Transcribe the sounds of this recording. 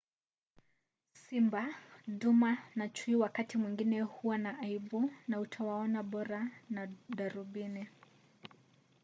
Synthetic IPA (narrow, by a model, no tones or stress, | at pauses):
simbaɗumanat͡ʃuiwakatimwiŋɡinɛhuwanaʔaibunautʰawaɔnaɓɔɾanaɗaɾuɓini